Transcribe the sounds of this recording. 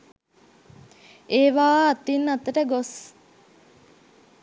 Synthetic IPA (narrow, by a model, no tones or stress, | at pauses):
eːʋaːt̪inːɐt̪ːəʈəɡos